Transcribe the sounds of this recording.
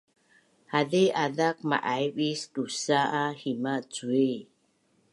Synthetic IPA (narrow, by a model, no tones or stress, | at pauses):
haðeʔaðak̚ma̰ʔajɓisdusaʔahimat͡sue